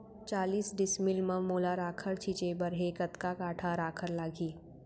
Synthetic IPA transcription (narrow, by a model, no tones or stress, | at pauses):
t͡ʃaːliːsɖɪsmɪlməmoːlaɾaːkʰəɾt͡ʃʰiːt͡ʃebəɾɦekət̪kakaːʈʰaɾaːkʰəɾlaːɡʱiː